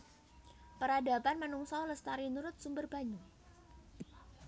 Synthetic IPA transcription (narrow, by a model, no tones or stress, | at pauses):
pəɾadapanmənuŋsɔwləst̪aɾinuɾʊt̪̚sumbərbaɲu